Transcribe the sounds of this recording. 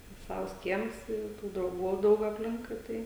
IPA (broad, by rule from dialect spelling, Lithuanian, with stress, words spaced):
ˈsɐws ˈkʲiɛms ˈɪ ɪ ˈtuː drɐʊˈɡuː jɛʊ ˈdɐʊk ɐpʲˈlʲɪŋkʊɪ ˈtɐɪ